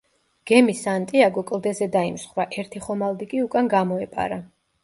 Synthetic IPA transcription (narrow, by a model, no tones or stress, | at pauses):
ɡ̥ɛmisant̪ʼiaɡɔkʼlˠd̪ɛzɛd̪aimsχɾaʔɛɾt̪ʰiχɔmalˠd̪ikʼiukʼanɡamɔɛpʼa̰ɾa